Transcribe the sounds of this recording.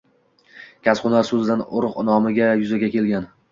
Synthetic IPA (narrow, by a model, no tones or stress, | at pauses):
kʲʰasqʊnaɾsɵzɪd̪anoɾʊqnɒmɪɡʲajʊzaɡʲakʲe̞lɡʲan